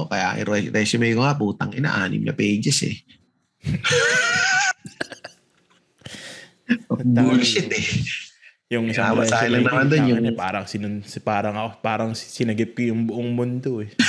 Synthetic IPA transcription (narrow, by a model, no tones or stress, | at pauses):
okɐja̰ːʔɪ̰ɾɛɾʔɛsʊmɛɡʊŋapuːt̪ɐŋʔɪnɐ̰ʔaːnɪ̰mnɐ̰pejd͡ʒɛsɛ̰ | ɐb̪ulʃɪt̪ɛ | jʊŋsamasaːhɪlɐŋnɐmand̪onjʊɐŋɛpaːɾɐŋsɪnspaːɾɐŋɐkopaːɾɐŋssɪnɐɡɪp̚kojʊŋbʊʔoŋmʊnd̪oɛ